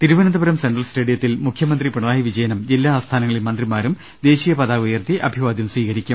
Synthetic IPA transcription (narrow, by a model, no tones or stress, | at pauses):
t̪iɾuʋɐnɐnd̪ɐbɐɾɐmseɳɖrɐlsʈeːɽijɐt̪ːilmukʰjɐmɐnd̪ripuɳɐðaːjiʋid͡ʑɐjɐnɐmd͡ʑilːaːst̪ʰaːnɐŋːɐɭimɐnd̪rimaːɾum | d̪e̞ːɕiːjɐpɐðaːɣujɐrt̪iʔɐbʱiʋaːd̪jɐmswiːɣɐɾikʲːum